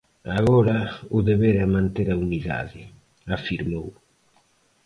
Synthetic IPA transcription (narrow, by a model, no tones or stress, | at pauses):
aɣɔːɾauðɛβɛːɾeamːant̪ɛɾauniða̰ːði | afiɾmow